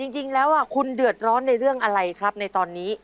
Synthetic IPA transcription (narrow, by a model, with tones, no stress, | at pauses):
t͡ɕi˧ŋt͡ɕi˧ŋlɛː˦˥wʔaː˧˩kʰu˧ndɯ˨˩ə˩t̪̚ɾɔː˦˥nːa˧jɾɯ˥˩əŋʔa˧ɾa˧jkʰɾa˦˥p̚na˧jt̪ɔː˧nːiː˦˥